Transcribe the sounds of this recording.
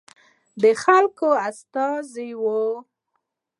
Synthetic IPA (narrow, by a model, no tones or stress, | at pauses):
d̪əxalkoast̪ɑziwo